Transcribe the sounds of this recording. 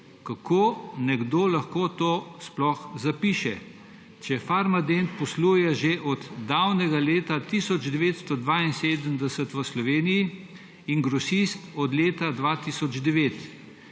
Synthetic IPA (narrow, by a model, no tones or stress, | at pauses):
kakʰoːnɛɡd̪oːlaxkoːt̪oːsplɔxzapiːʃɛ | t͡ʃɛfaɾmad̪ent̪̚pɔsluːjɛʒeʔɔd̪ːawnɛɡaleːt̪at̪isɔd͡ʒd̪ɛʋeːt̪st̪ɔd̪ʋainseːd̪əmd̪ɛsət̪ʋəslɔʋeːniji | iŋɡɾɔsist̪ɔd̪leːt̪ad̪ʋat̪isɔd͡ʒd̪ɛʋeːt̪